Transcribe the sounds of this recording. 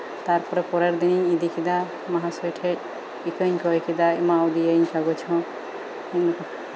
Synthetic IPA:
t̪aɾpʰɔɾɛpɔɾaɾd̪iniɲid̪ikid̪a | maɦasɔʈʰɛʈ̚ | ikəɲkɔjkid̪aimawd̪ijaɲkaɡɔt͡ʃʰɔ̃ | in

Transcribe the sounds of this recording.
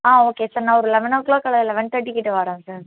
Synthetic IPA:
aːoːkeːsaːɾnãːɔɾɯlɛʋɐnɐkɭoːkːɐɭɐðɪlɛʋɐɳʈ̪ɐʈːikːɪʈːɯʋaːɾãːsaːɾ

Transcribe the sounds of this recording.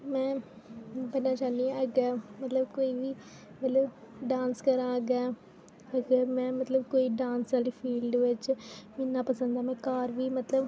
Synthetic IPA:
mɛː | pɐnaːt͡ʃaːniɐɡɐmɐt̪lɐbkojʋi | mɐlɐ | ɖaːnskɐɾaːɡɐ | ɐɡɐmɛ̃ːmɐt̪lɐbkoːjiɖaːnsɐlifiːlɖʋɐt͡ʃːɨminːapɐsɐnd̪aːmɛ̃kaːɾʋimɐt̪lɐb

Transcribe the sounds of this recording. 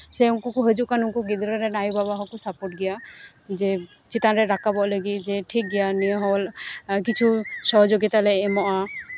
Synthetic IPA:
sɛuŋkɔkɔɦəd͡ʒuʔkanuŋkɔɡid̪ɾaɾɛnajbabaɦɔkɔsapɔʈɡɛja | d͡ʒɛ | t͡ʃit̪anɾɛɾakabɔʔləɡit̪̚ˀd͡ʒɛʈʰik̚ɡɛjanijɔɦɔlkit͡ʃʰusɔɦɔd͡ʒoɡit̪alɛɛmɔʔa

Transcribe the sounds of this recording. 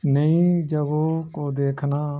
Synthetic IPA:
nəĩːd͡ʒəɡoːkoːd̪eːkʰnaː

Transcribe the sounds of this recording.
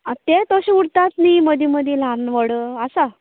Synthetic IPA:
ət̪et̪oɕiuɽt̪at̪niməd̪ʱiməd̪ʱilanʋəɽəasa

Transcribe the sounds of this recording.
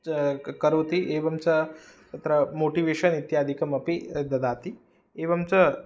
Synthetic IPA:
kɐɾoʋt̪iʔeːʋɐmt͡sɐt̪ɐt̪ɾɐmoːʈiʋeːʃɐnit̪jaːd̪ʱikɐmɐpid̪ɐd̪aːt̪i | eːʋɐmt͡sɐ

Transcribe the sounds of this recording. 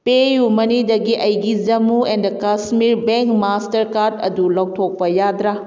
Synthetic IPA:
pejumɐnidɐɡiʔɐjɡid͡ʒɐmuendɐkasmiɾbeŋkmastɐɾkaɾdɐ̰dulɐwtʰok̚pɐjad̪ɾa

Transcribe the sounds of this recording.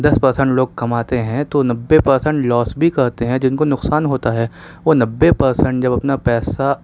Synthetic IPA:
d̪ɐspɐɾsɛ̃ɳʈloːɡ̚kɐmaːt̪eɦɛ̃t̪onɐbːepɐɾsɛ̃ɳʈlɔːsbʱikɐɾt̪eɦɛ̃d͡ʒɪnkonʊqsaːnɦoːt̪aɦɛː | ʋonɐbːepɐɾsɛ̃ɳʈ̚d͡ʒɐbɐpnapɛːsa

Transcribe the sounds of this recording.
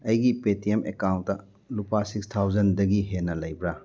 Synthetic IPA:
ɐjɡipetiemekawntːɐ | lupasikstʰawd͡ʒɐndɐɡiɦenɐlɐjbɾa

